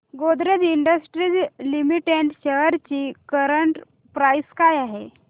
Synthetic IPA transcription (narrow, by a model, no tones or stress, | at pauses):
ɡod̪ɾed͡ziɳɖəsʈɾid͡zlimiʈeɳʈɕəɦəɾt͡ɕiːkəɾəɳʈ | pɾajskajaɦe